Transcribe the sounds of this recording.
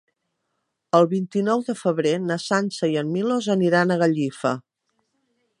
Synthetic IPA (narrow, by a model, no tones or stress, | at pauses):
əlˠβint̪inɔwðəfəβɾenəsansəjəmmilozəniɾanəɣəʎifə